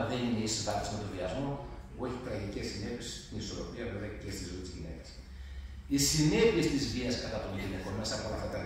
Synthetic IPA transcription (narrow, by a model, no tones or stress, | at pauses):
ðenineisot̪ɐkt̪i̥smet̪oviɐzmo̞ | o̞çip̪ɾɐʝicesine̞piest̪iniso̞ɾo̞piɐve̞veɐcest̪izo̞it̪izʝine̞̰kɐ̥s | isine̞pie̞st̪izviɐskɐt̪ɐt̪o̞nʝine̞ko̞nme̞sɐpoɐlɐft̪ɐt̪ɐ